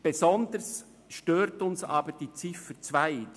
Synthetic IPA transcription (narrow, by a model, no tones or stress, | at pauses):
b̥ezɔndəs | ʃtøːɾtʊnsɑ̰ːbəɾd̥iːt͡sɪfət͡svaɪ